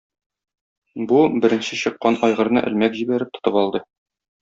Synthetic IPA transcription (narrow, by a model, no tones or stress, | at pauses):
bubɘ̆ɾɘ̆nɕɘɕɤ̆qːɑnʔɒjʁɤ̆ɾnɤ̰ʔɘ̆lmækʑibæɾɘp̚t̪ŏ̥t̪ɤpɒlˠd̪ɤ